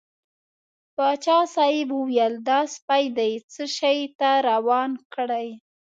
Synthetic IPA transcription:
pɑt͡ʃɑsɑjɪbuwjəld̪ɑspajd̪ajt͡səʃajt̪aɾawɑnkɽaj

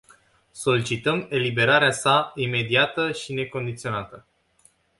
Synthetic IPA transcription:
so̞lit͡ʃit̪əme̞libe̞ɾaɾeasaime̞d̪iat̪əʃine̞ko̞nd̪it̪sio̞nat̪ə

